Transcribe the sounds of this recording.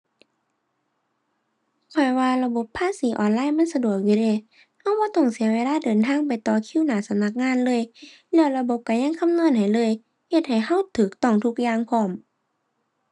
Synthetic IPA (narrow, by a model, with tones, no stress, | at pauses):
kʰɔ˧˩jwaː˧la˧bo˧˦pʰːaː˧˥˨siː˨˦ʔɔː˨˧˨nlaː˧˥˨jma˧˥˨nsa˧du˨˩ək̚ju˧leː˧˩ | ha˧˥˨wbɔː˧˦t̪ɔ˧˩ŋsi˨˦ɐweː˧˨laː˧˥˨dɤː˨nt̪ʰaː˧˨ŋpa˨jt̪ɔː˨˩kʰiː˧˥˨wnaː˨˩˦sa˧˦mna˧˥k̚ŋaː˧˥˨nlɤː˧˥˨j | lɛː˧˩wla˧bo˧˦p̚ka˧˩ɲa˧˥˨ŋkʰa˧˥˨mnu˧˥ə˨nha˨˩jlɤː˧˥˨j | he˧˩t̪̚ha˨˩jha˧˥˨wt̪ʰɯː˨˦k̚t̪ɔ˧˩ŋt̪ʰu˧˥k̚jaː˧˨ŋpʰɔː˧˩m